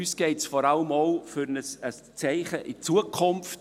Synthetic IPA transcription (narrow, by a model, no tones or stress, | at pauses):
ysɡ̥eɪtsfɔɾaləmoʊfyɾnəsəst͡sɛɪχəʔɪt͡suəkʰʊmft